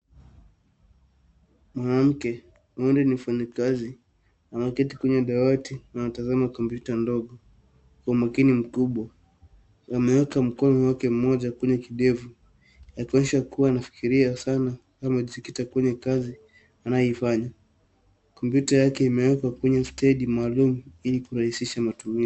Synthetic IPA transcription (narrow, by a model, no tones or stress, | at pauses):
mwanam̩kɛ | mɔndɛnim̩faɲakazi | amakɛtikuɲɛɗawatinaatazamakɔmpjutandɔɠɔ | kwaumakinim̩kuɓwa | amɛwɛkam̩kɔnɔwakɛm̩mɔʄakɛɲɛkiɗɛvu | jakɛɛʃakuwaːnafi̥kiɾiasana | kamaʄisikitakwɛɲɛkazi | anajɔifaɲa | kɔmpjutajakɛimɛwɛkwakwɛɲɛstɛɗimaːlumuilikuɾahisiʃamatumi